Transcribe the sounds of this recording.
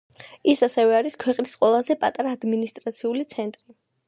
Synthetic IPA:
isasɛvɛaɾiskʰwɛqʼnisqʼwɛlˠazɛpʼat̪ʼaɾaːd̪minist̪ʼɾat̪sʰiulit̪sʰɛnt̪ʼɾi

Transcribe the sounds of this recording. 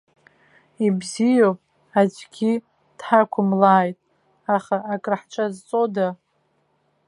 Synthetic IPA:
ibzijopʼ | ad͡ʒʷʼɡʲi | d̥ħakʷʰʊmlaːjtʼ | aχaːkʼraħt͡ʃʷʰʼazt͡sʼoda

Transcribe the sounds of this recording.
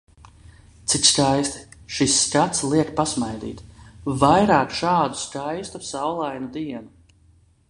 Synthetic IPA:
t̪sit̪ʲskajst̪i̥ʃisːkat̪slˠiɛkpasmajd̪ḭːt̪vajɾaːkʃaːd̪uskajst̪usawlˠajnud̪iɛnu

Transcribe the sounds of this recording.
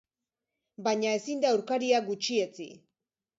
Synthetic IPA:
baɲae̞sind̪auɾkaɾiaɡut͡ʃie̞t͡sḭ

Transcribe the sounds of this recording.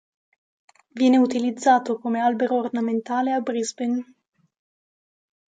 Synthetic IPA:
vjene̞ut̪ilid̪zat̪okumealbe̞ɾoːrnament̪aːleabrisbin

